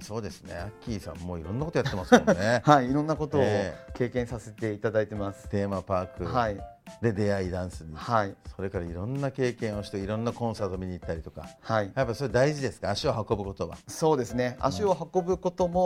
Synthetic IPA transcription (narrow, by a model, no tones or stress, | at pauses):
so̞ːd̪e̞sɨne̞̰akʲːiːsã̰mːo̞ːiɾõ̞nːakot̪ojaemasknehaiːɾõ̞nːako̞t̪o̞ːke̞ːkẽɰ̃sase̞t̪e̞it̪ad̪ait̪e̞masɨ̥t̪e̞ːmapaːkɯhaid̪e̞d̪e̞aid̪ãɰ̃sɨɲ̟ihaiso̞ɾe̞kaɾaiɾõ̞nːake̞ːkẽ̞ɰ̃o̞ɕi̥t̪eiɾõ̞nːakõ̞ɰ̃saːt̪o̞mʲiɲ̟iːt̪ːaɾʲit̪o̞̥ka̰haijapːaisoɾed̪aiʑid̪e̞sɨ̥kaːɕio̞hako̞bɯ̟ko̞t̪o̞βa̰so̞ːd̪e̞sɨne̞a̰ɕio̞ɦako̞bɯ̟ko̞t̪o̞mo